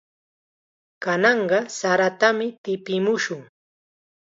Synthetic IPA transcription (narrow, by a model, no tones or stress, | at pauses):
kanɑɴɢɑsaɾat̪amɪt̪ɪpɪmʊʃʊŋ